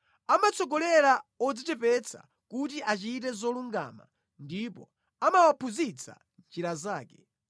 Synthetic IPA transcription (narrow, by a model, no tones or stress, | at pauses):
amat͡sɔɡɔlɛɾaɔd͡zitɛpɛt͡sʰa̰ | kut̬iʔat͡ʃit̬ɛzɔluŋɡa̰ːma̰ | ndipɔ | amawapʰuzit͡sʰa̰ | nt͡ʃiɾazaːkɛ